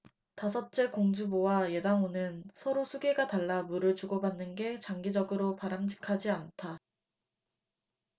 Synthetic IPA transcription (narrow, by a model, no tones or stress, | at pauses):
tasʰʌt̚t͡ɕ͈ekoŋd͡ʑubowaje̞daŋonɯnsʰʌɾosʰuɡe̞ɡataɭːamuɾɯɭt͡ɕuɡʌbanːɯnɡe̞t͡ɕaŋɡid͡ʑʌɡɯɾopaɾamd͡ʑi̥kʰad͡ʑiantʰa